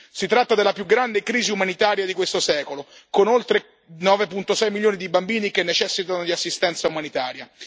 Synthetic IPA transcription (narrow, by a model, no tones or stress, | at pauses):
sit̪ɾat̪ːad̪elapjuɡɾand̪ekɾiːziumanit̪aːɾjad̪ikwest̪osɛːkolokonolt̪ɾe | nɔːvepunt̪osɛjmiljoːnid̪ibambiːnikenːet͡ʃɛsːit̪anod̪iasːist̪ɛnt̪saumanit̪aːɾja